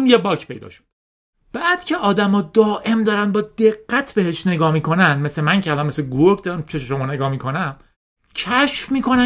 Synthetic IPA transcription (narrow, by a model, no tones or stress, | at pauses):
njebɒːcʰpʰe̞jd̪ɒ̰ːʃo̥d̪̥ | b̥æːd̪̥cʰe̞ʔɒːd̪æmɒːd̪ɒːʔe̞md̪ɒːɾænbɒːd̪e̞ɣːæt̪ʰbe̞heʃne̞ɡɒːmiːkʰo̞nænd̪me̞sle̞mæŋcʰeælɒnme̞sleɡuɾop̚d̪ɒːɾæmt͡ʃʰeʃʃo̞mɒːne̞ɡɒːmiːkʰo̞næm | cʰæʃfmiːkʰo̞næ